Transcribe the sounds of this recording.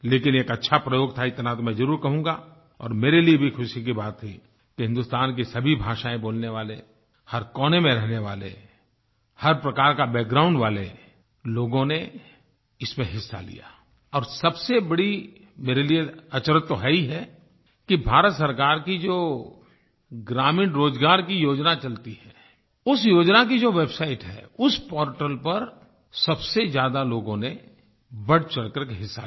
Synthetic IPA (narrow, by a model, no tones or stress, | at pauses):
leːkɪneːkɐtːʃʰapɾɐjoːɡt̪ʰaɪt̪nat̪omɛ̃zɐɾuːɾkɐɦũːŋɡa | ɔ̰ːɾmeːɾeliebʱixʊʃik̬ibaːt̪ʰːi | kiɦɪ̃nd̪ʊst̪aːnk̬isɐbʱibʱaːʃaːẽboːlneʋaːle | hɐɾkɔːnemẽɾɛɦneʋa̰ːlḛ | hɐɾpɾɐkaːɾkabɛːk̚ɡɾaːʊ̃ɳɖʋaːle | loːɡõne | ɪsmẽɦɪsːa̰lḭja̰ː | ɔːɾsɐbsebɐɽi | meːɾelieɐt͡ʃɾət̪ːoɦɛiɦɛ | kibʱaːɾət̪sɐɾkaːɾkid͡ʒoː | ɡɾaːmĩːnɾoːd͡ʒɡaːɾkijoːd͡ʒnat͡ʃɐlt̪iɦɛ̃ː | ʊsjoːd͡ʒnakid͡ʒoːʋeːbsaːɪʈɦɛ̰ːʊspɔːɾʈəlpɐɾ | sɐbsezjaːd̪aloːɡõne | bɐɽt͡ʃɐlkəɾkeɦɪsːa̰